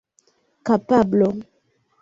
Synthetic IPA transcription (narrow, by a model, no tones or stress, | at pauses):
kapablo